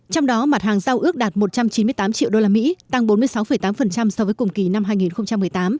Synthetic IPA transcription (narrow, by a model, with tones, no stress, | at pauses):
t͡ɕɔ˧wŋ͡mɗɔ˨˦ma˨˩t̚haː˨˩ŋza˧wʔɨ˦˥ək̚ɗaː˨˩t̚mo˨˩t̚t͡ɕa˧mt͡ɕi˨˦nmɨ˧əjt̪aː˨˦mt͡ɕḭ˧˨wɗo˧laː˧mḭ˧˥t̪a˧ŋɓo˨˦nmɨ˧əjsa˨˦wfə˨˩jt̪aː˨˦mfə˨˩nt͡ɕa˧msɔ˧vəː˨˦jkʊ˨˩ŋ͡mki˨˩na˧mɦaː˧jŋi˨˩nxə˧wŋ͡mt͡ɕa˧mːɨ˨˩əjt̪aː˨˦m